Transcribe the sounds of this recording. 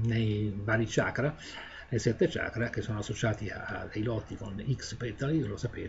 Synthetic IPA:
nejvaːɾit͡ʃaːkɾa | nejsɛt̪ːet͡ʃa̰ːkɾak̟esːoːnoasːot͡ʃaːt̪ia̰d̪ejlɔt̪ːikonikspɛt̪alilosapeː

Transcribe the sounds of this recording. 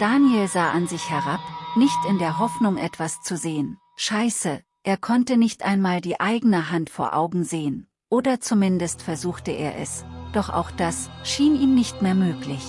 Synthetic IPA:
d̥aːnjelzaːʔanzɪçhɛʁapnɪçtɪndeːɐɦɔfnʊŋʔɛtv̥ast͡suzeːən | ʃaɪsə | ʔeːɐkʰɔntənɪçtʔa̰ɪnmaːldiːʔaɪɡənəɦantfoːɐʔa̰ʊɡŋ̩zeːən | ʔoːdɐt͡sumɪndəstfɛɐzuːxtəʔḛːɐʔɛ̰sd̥ɔχʔa̰ʊxd̥asʃiːniːmnɪçtmeːɐmøːklɪç

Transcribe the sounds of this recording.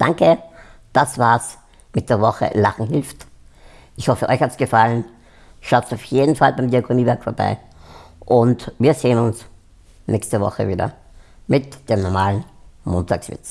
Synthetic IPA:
d̥aŋkəd̥asv̥aːɐs | mɪt̚d̥eːɐvɔχə̰laχŋ̩ɦɪlft | ʔɪçhɔfəʔɔ̰çhatsɡ̥əfalən | ʃaʊtsaʊfjeːdn̩falbæɪmdiakʰoniːvɛɐkfoːɐba̰ɪ | ʔʊntviːɐzeːənʊns | nʔɛçstəvɔ̰χə̰viːdɐ̰ | mɪtd̥eːmnɔɐmaːln̩moːntʰaːksvɪ̰t͡s

